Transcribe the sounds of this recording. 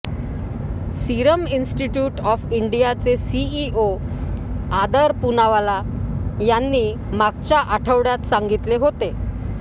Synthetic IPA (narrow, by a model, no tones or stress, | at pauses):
siɾəminsʈiʈjuːʈɔfiɳɖijat͡sesiio | ad̪əɾpunaʋalajanːiː | maɡt͡ɕjaʔaʈʰəʋɽjat̪saŋɡit̪leɦot̪e